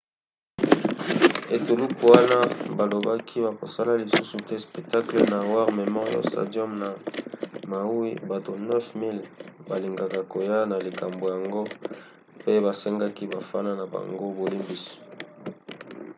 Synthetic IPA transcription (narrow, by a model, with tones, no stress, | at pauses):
e˨to˨lu˦pu˨wa˦na˦ba˨lo˨ba˦kʰi˦βa˨ko˨sa˦la˦li˨su˦su˨tɛ˦spɛ˨k̚ta˦kle˨na˨wa˦ʁme˨mɔ˦ʁjo̰˦sta̰˨djɔ˦mna˨ | ma˨u˦i˦ba˨to˨nɛ˦fmi˦lba˨li˨ŋɡa˨ka˨ko˨ja˦na˨li˨ka˨mbo˨ja˨ŋɡo˦ | pe˦βa˨sɛ˦ŋɡa˦ki˦ba˨fa˦na˦na˨ba̰˨ŋɡo˦bo˨li˦mbi˦si̥˨